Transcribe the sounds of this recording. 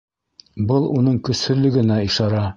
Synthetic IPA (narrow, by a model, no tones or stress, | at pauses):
bɤlˠunɤɴkɵ̆sɵ̆lɵ̆ɡɘ̆næiʃɑɾɑ